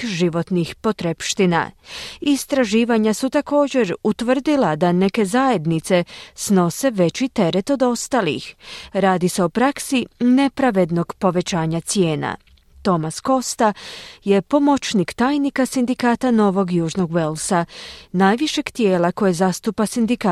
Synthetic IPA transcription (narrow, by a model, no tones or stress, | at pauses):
ʒiʋo̞t̪nixpo̞t̪ɾepʃt̪ina̰ist̪ɾaʒiːʋaɲasut̪ako̞ːd͡ʑe̞ɾut̪ʋr̩d̪ilad̪ane̞ke̞zaje̞d̪nit̪se̞sno̞se̞ʋe̞t͡ɕit̪e̞ɾe̞t̪o̞d̪o̞st̪alḭxɾaːd̪ise̞opɾaksine̞pɾaʋe̞d̪no̞ɡpo̞ʋe̞t͡ɕaːɲat̪sije̞ːna̰ | t̪o̞masko̞st̪aje̞po̞mo̞t͡ʃnikt̪aːjnikasind̪ikaːt̪ano̞ʋo̞ɡjuːʒno̞ɡʋe̞lsanajʋiʃe̞ɡt̪je̞ːlako̞jezast̪upasind̪ika